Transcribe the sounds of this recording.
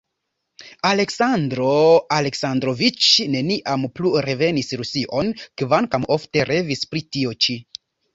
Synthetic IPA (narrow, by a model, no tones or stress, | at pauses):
ale̞ksandɾoale̞ksandɾo̞vit͡ʃne̞niʔampluɾe̞ve̞nisɾusiʔo̞nkvaŋkamo̞fte̞ɾʔe̞vispɾitio̞t͡ʃi